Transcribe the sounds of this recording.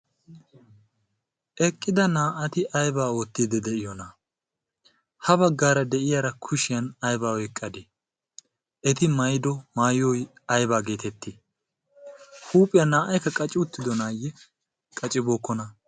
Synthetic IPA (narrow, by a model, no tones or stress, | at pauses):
ʔɛkʼːɪd̪ɐnaːʔɐt̪ɪʔɐjbaːoːt̪ːiːd̪ɛd̪ɛʔɪjɔnɐ | hɐbɐɡːaːɾɐd̪ɛʔɪjaːɾɐkʰʊʃɪjɐnɐjbaːwɔjkʼːɐd̪ɛ | ɛt̪ɪmɐjd̪ɔmaːjɔj | ɐjbaːɡe̞ːt̪ɛt̪ːɪ | huːpʼɪjɐnaːʔɐjkːɐkʼɐt͡ʃʼɪʊt̪ːɪd̪ɔnaːjɛ | kʼɐt͡ʃʼɪboːkːɔnɐ